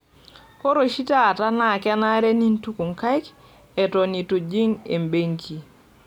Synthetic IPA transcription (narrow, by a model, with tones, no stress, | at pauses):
ko˦ɾo˨ʃi˦ta˦˨ta˦na˨kɛ˦na˦ɾe˦ni˦n˦tu˦ku˨ŋka˦jk | e˨to˨ni˨to˨d͡ʒi˦ŋḛ˨mbe˦ŋkʰi˨